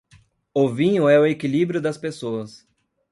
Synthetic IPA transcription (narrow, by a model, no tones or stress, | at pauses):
ʊvĩɲʊɛʊekilibɾjʊd̪ɐspesoɐs